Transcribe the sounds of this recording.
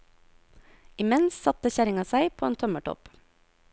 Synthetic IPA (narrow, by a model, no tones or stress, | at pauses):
ɪmɛnssɑt̪əçæɾɪŋɑsæɪpʰoːeːnt̪ʰɔməʈʰɔ̰p